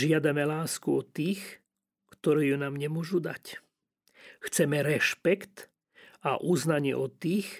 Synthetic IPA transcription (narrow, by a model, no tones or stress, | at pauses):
ʒɪad̪amɛlaːskuɔt̪iːx | kt̪ɔɾɛːjunaːmɲɛmʊɔʒud̪ac | xt͡sɛmɛɾɛʃpɛkt̪ | a̰ʔuznaɲɪɛ̰ʔɔt̪iːx